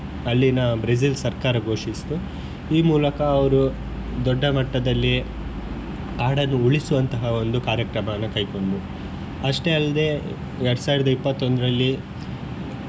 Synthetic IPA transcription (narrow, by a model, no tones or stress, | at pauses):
ɐlːinaːbɾes̬ilsɐɾkaːɾɐɡʱo̞ːʂist̪u | iːmuːlɐkɐːʋɐɾu | d̪ɔɖːɐmɐʈːɐd̪ɐlːi | aːɽɐnːuuɭisuʋɐnt̪ɐɦɐo̞nd̪ukaːɾjɐkɾɐmɐɐnːɐkɐjko̞ɳɖu | ɐʂʈe̞ɐlːɐd̪e̞ | ɛɾɽusaːʋiɾɐd̪ɐipːɐt̪ːo̞nd̪ɐɾɐlːi